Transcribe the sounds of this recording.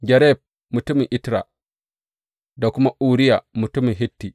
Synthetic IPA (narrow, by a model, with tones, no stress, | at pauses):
ɡɛ˨ɾɛ˦p̚ | mu˨tu˦mi˨ŋʔi˦tɾa̰˨ | da˨ku˦ma˦ʔu˨ɾi˦ja˨mu˨tu˦mi˨ɦi˦tːi˨